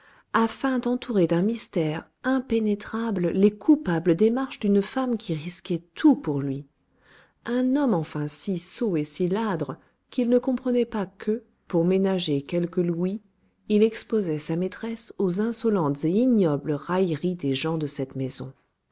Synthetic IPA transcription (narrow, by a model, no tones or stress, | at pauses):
afɛ̃d̪ɑ̃t̪ʰuʁed̪ɛ̃mist̪ɛʁ | ɛ̃penet̪χabllekʰupabləd̪emaʁʃd̪ynfamkʲʰiʁiskʲɛt̪ʰupuʁlɥi | ɛ̃nɔmɑ̃fɛ̃sisoesilad̪ʁə | kilnəkɔ̃pχənɛpakʰə | puʁmenaʒekʲɛlkəlwi | ilɛkspozɛsamet̪χɛsozɛ̃sɔlɑ̃t̪z̥einjɔblʁajʁid̪eʒɑ̃d̪əsɛt̪mezɔ̰̃